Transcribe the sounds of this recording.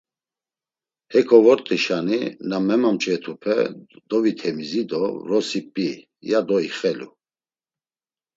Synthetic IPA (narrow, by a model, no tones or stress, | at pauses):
hɛkʰɔvɔɾt̪ʼiʃaninamɛmamt͡ʃʼɛt̪ʰupʰɛ̰d̪̥ɔvit̪ʰɛmizid̪ɔɾɔsipʼi | jad̪ɔiχɛlṵ